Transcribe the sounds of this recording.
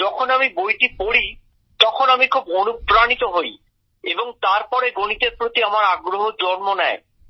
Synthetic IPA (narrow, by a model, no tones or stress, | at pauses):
d͡ʒɔkʰonamibojʈipoɽi | t̪ɔkʰonamikʰubonupɾanit̪oɦoj | eboŋt̪aɾpɔɾeɡonit̪eɾpɾot̪iamaɾaɡɾoɦod͡ʑɔnmonɛe